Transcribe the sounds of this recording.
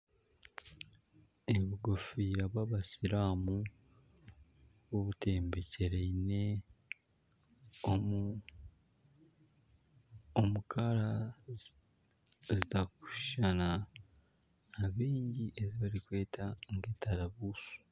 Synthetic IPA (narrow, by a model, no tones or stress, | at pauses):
eβiuɡofiːɾaβwaβasiɾaːmu | βoβute̞ːmbe̞ce̞ɾeine̞ | o | omukʰaɾa | zitaku̥ʃana | aβiːɲɟiʔe̞ziβaɾikwe̞ːtʰaŋɡeːtʰaɾaβuːsu̥